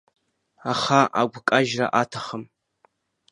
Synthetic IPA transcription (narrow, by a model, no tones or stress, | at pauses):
aχaʔa̰ɡʷkʼaʒra̰ʔatʰaχəm